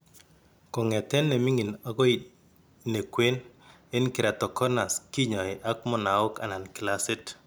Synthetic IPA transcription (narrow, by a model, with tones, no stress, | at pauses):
kɔ˨ŋɛ˨tɛ˦nːe˨mi˦ŋi˨na˨ɡɔ˦i˨ | ne˨kwe˦n | e˦nkɪ˨ɾa˨tɔ˨kɔ˦na˨ski˦ɲɔ˨ɪ˨ʔa˦k̚mɔ˦˨na˨ʊ˦ka̰˨na˨nkɪ˨la˦sɪ˦t